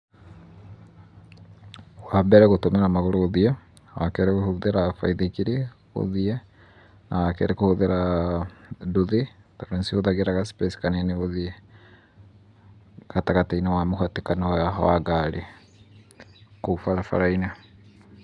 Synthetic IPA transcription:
wabɛɾɛɣotomeɾamaɣoɾoːðia | wakɛɾeɣohoðeɾafa̰iðekiɾe | o̰ðia | na̰wakɛ̰ɾekohoðeɾa | doðe | taɾensioðaɣeɾaɣaspɛsi̥kaneneβoðiɛ | kataɣatainawamoɦatekanawaa̰waɡaɾe | kofaɾafa̰ɾaina

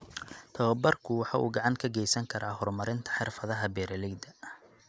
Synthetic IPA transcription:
t̪ʰɐwɐbɐrkʰʊwɑħɑːʔṵːɡɑʕɑŋkʰɐɡɛjsɐŋkʰɐɾʔaːɦɔrmɐɾɪnt̪ʰɐ̥ħɪrfɐðɐɦɐbɛːɾɐlɪɡd̪ɐ

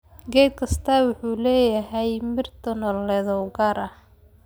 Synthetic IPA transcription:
ɡɛd̪̚kʰɐst̪ʰɐwʊħuːlɛːjɐɦɛjmɪrt̪ʰɔnɔlːɛðɔwɡɐɾɐ

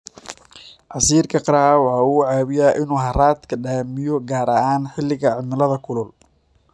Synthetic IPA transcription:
ʔɑsiːrkʰɐqɑɾaʕwɑħɑːuːʕaːβɪjaːʔɪnuːɦɐraːd̪kʰɐɖaːmɪjɔɡaːɾɐʔaːnħɪlːɪɣɐʕɪmɪlɐðɐkʰʊlʊl

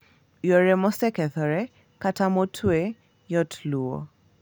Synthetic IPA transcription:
jɔɾɛmɔsɛkɛθɔɾɛ | katamɔtʰwe | jɔtʰluɔ̰

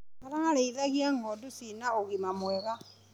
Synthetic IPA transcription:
maɾaŋaleiðaɣiaŋodusinaoɣimamweɣa

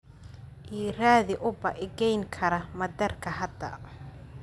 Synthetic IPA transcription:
ʔiːraːðɪʔʊbɐʔɪɡɛjŋkʰɐɾɐmɐd̪ɐrkʰɐɦɐd̪ɐ̰

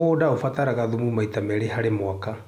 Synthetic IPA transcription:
odaofataɾaɣaðumumaitamɛɾeɦaɾemwaka

